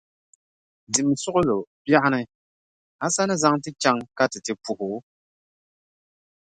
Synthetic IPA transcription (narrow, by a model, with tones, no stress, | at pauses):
di˨m˨sʊ˦ʔʊ˦lo˨pja˦ʔa˦nɨ˦ | a˦sa˦nɨ˦za˦ŋtɨ˦t͡ʃa˦ŋka˦tɨ˨tɨ˨pu˨hʊ˨˦